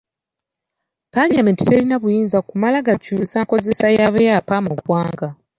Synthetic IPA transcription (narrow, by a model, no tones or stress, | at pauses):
paɲameːnti̥se̞linaβujiːnzakumalaɡacuɾusako̞ze̞sajaβejapamoɡwaːŋɡa